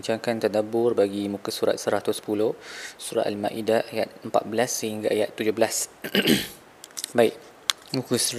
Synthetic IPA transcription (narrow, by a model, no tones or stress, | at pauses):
iɲt͡ʃaŋkant̪adabʊrbaɡimũkasuɾa̰t̪̚səɾat̪ʊspulohsuɾa̰t̪almã̰ʔidaajat̪̚əmpa̰t̪̚bəlasːəhiŋɡaʔajat̪ːud͡ʒobəlas | baɪʔ̚ | mũkəs